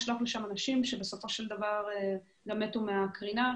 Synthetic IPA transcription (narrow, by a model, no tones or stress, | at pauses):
ʃlaχleʃamanaʃimʃe̞be̞so̞fo̞ʃeld̪avaʁ | ɡamet̪umeakʁina